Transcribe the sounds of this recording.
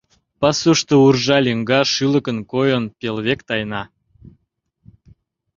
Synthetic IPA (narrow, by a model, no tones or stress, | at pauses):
pɑsuʃt̪ourʒɑlʲiŋɡɑʃylə̆kənkojənpʲelβʲekt̪ɑjnɑ